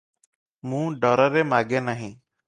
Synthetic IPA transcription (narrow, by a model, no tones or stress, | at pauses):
mũːɖɔːɾəɾeːmaːɡeːnaɦĩː